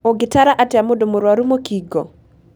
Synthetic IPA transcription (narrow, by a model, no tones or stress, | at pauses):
oɡɪtaɾaʔatjamodomoɾwaɾumokiɡo